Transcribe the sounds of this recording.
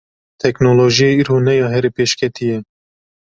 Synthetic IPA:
t̪ʰɛknoloːʒijeːiɾonɛjɑːɦɛɾepeːʃkʰɛt̪ʰijɛ

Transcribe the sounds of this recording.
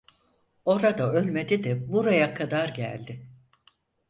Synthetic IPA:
o̞ɾad̪aø̞lʲme̞d̪id̪ɛbuɾajakʰad̪aɾɟæ̰lʲd̪ɪ

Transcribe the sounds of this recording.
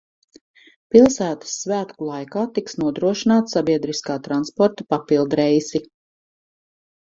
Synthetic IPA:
pilˠsæːt̪ə̥sːvæːt̪kulˠajkaːt̪iksnuɔd̪ɾuɔʃinaːt̪sabiɛd̪ɾiskaːt̪ɾanspɔɾt̪apapilˠd̪ɾɛjzi

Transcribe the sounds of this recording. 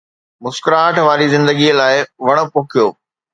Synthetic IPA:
mʊskɾaːʈʰʋaːɾizɪ̃nd̪əɡiəlaːɪʋɐɽ̃ʊ̆pʊːkʰijoː

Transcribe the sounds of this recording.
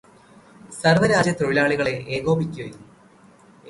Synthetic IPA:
sɐrʋɐɾaːd͡ʑjɐt̪oɻilaːɭiɣɐɭe̞ʔeːɣo̞ːbikʲːoji

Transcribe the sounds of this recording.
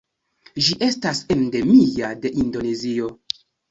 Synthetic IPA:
ʒiʔe̞stasende̞miade̞ʔindo̞nezio̞

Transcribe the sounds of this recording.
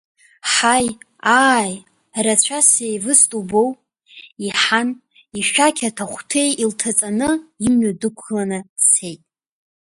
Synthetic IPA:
ħaj | aj | rat͡ɕʷʰasejvɨstʼubo̞w | iħan | iʃᶣakʲʰatʰaχʷtʰe̞jiltʰat͡sʼanɨimɥadɨkʷʰlanɨ̥se̞jtʼ

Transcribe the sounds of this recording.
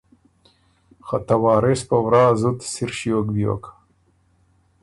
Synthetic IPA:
xat̪awɑːɾespawɾɑːzut̪siɾʃjokbijo̰k

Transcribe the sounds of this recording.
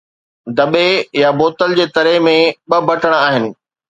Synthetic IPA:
d̪ɐɓejaboːt̪əld͡ʑeːt̪ɐɾəɦmẽɓɐbʱɐʈʰəɽ̃aːɦɪnɪ̆

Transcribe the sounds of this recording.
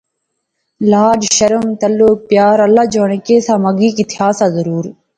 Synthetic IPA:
laːd͡ʒʃɐɾɐmt̪ɐlːuːk̚pjaːɾɐlːad͡ʒoːɳɐkeːsamɐɡikit̪ihaːsazɐɾuːɾ

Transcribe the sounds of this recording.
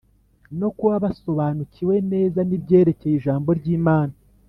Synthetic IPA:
no̞kuβaβaso̞βaːnuciwe̞ne̞ːzanibɟe̞ːɾe̞ce̞jiʒaːmbo̞ɾɟiːmaːna

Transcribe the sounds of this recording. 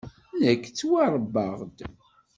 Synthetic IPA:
nækːt͡sːwaɾˤəbːəʁd̪

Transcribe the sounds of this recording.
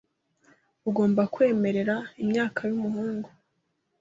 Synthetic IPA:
uɡo̞ːmbakwe̞ːme̞ɾe̞ɾaimɲaːkʰajumuhuːŋɡo

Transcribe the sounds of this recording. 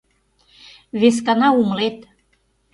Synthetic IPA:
βes̬kɑnɑuməlet̪

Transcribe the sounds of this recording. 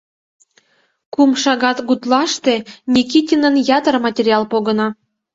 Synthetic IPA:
kumʃɑɣɑt̪ɡut̪lɑʃt̪enʲikitʲinənjɑt̪ərmɑtʲeɾʲiɑlˠpoɣənɑ

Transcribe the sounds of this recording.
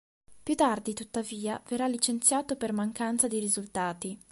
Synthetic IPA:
pjut̪ːard̪it̪ut̪ːaviːaverːalːit͡ʃent̪sjaːt̪opermaŋkant̪sad̪iɾizult̪aːt̪i

